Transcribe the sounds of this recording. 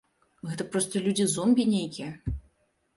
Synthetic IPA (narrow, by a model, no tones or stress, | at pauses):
ɣɛt̪ɐpɾɔst̪ɐlʲud͡zʲizɔmʲbʲinʲejkʲijɐ